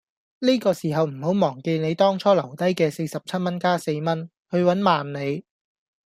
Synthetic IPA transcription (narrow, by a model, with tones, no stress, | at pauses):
niː˥kɔː˧siː˨˩ɦɐ˨wm̩˨˩ho˨˥wmɔː˨˩ŋke˧jne˨˧jt̪ɔː˥ŋt͡sʰɔː˥lɐ˨˩wt̪ɐ˥jkɛː˧se˧jsɐ˨p̚t͡sʰɐ˥t̚mɐ˥nkaː˥se˧jmɐ˥n | hɵ˧ɥwɐ˨˥nmaː˨nne˨˧j